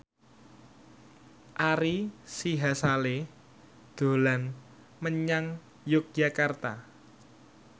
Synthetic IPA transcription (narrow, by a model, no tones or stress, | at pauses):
ʔaɾisiɦasale | d̪̥o̤lan | məɲaŋ | jʊk̚d͡ʒ̥a̤kart̪a